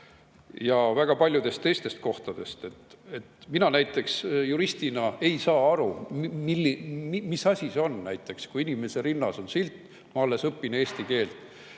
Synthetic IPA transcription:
jɑvæɡ̥ɑpɑlʲjud̪̥e̞st̪t̪e̞jst̪e̞st̪̚ko̞ht̪ɑd̪̥e̞st̪e̞t̪e̞t̪minɑnæjt̪ːˑe̞ksjuɾist̪inɑe̞jsɑːɑɾumilːimimisɑsʲiseo̞nːæjt̪ːˑe̞kskuinʲime̞se̞ɾinːɑso̞nsilt̪ːˑ | mɑɑlːe̞sɤpːine̞ːsʲt̪ike̞ːlt̪ˑ

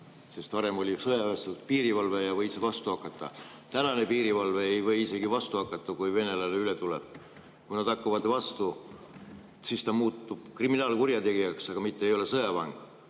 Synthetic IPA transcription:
se̞st̪vɑɾe̞mo̞lʲisɤjɑvest̪upiːɾivɑlvejɑvɤjsevɑst̪uɑkːˑɑt̪ːˑɑ̰ | t̪ænɑne̞piːɾivɑlveejvɤ̞jise̞ɡ̥ivɑst̪uɑkːˑɑt̪ːˑɑkujve̞ne̞lɑneylet̪ulḛb̥̚ | kujnɑd̪ɑkːuvɑd̪vɑst̪u | sist̪ɑmuːt̪ːˑub̥kriminɑːlkurjɑt̪e̞ɡijɑksɑɡ̥ɑmit̪ːeejo̞le̞sɤjɑvɑŋɡ̥

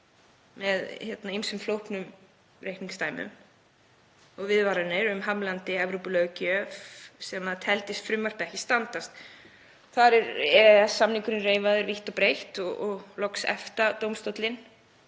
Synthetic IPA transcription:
mɛðçɛt̪naimsʏmflowhpnʏm | rejkniŋst̪aːjmʏ̰m | ɔɣvɪðvaɾanɪɾʏmɦamlant̪ɪɛvɾowpʏlœːɣcœfsɛmaðt̪ʰɛlt̪ɪst̪fɾʏmːar̥t̪ɛhcɪst̪ant̪ast̪ | θaɾɛɾɛɛsːamniŋkʏɾʏnreːjvaðʏɾviht̪ɔpɾejht̪ɔɣɔɣlɔksɛ̰ft̪at̪owmst̪ɔt̪lɪn

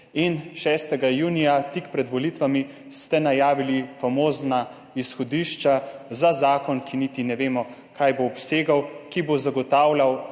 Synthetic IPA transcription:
inʃɛst̪ɛɡajuːnijat̪ikpɾɛd̪ʋɔlit̪ʋami | st̪ɛnajaːʋilifamoːzna | isxɔd̪iːʃt͡ʃazazaːkɔnkʰinit̪inɛʋeːmɔ | kʰajboɔpseːɡawkibozaɡɔt̪aːwlaw

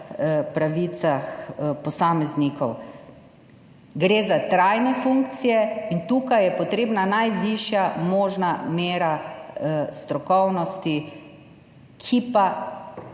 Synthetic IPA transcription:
pɾaʋit̪saxpɔsaːmɛznikɔw | ɡɾeːzat̪ɾajnɛfuŋkt̪sijɛint̪uːkajɛpɔt̪ɾeːbnanajʋiʃjamoːʒnameːɾa | st̪ɾɔkɔwnɔst̪i | kʰipa

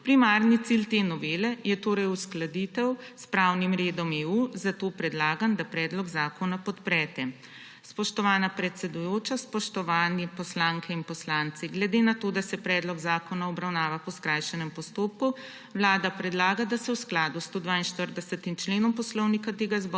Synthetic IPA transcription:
pɾimaɾnit̪silt̪enɔʋeːlɛjɛt̪oːɾɛjusklad̪it̪ɛwspɾawnimɾeːd̪ɔmeːuzat̪opɾɛd̪laːɡand̪apɾɛːd̪lɔɡzaːkɔnapɔt̪pɾɛt̪ɛ | spɔʃt̪ɔʋaːnapɾɛt̪sɛd̪ujoːt͡ʃaspɔʃt̪ɔʋaːnipɔslaŋkʰɛinpɔslant̪siɡlɛd̪enat̪oːd̪asɛpɾɛːd̪lɔɡzaːkɔnaɔbɾawnaːʋapɔskɾajʃɛnɛmpɔst̪oːp̚ku | wlaːd̪apɾɛd̪laːɡad̪asɛwsklaːd̪ust̪oːd̪ʋaːinʃt̪əɾd̪ɛsɛt̪imt͡ʃleːnɔmpɔslɔwnikat̪eːɡazbɔ

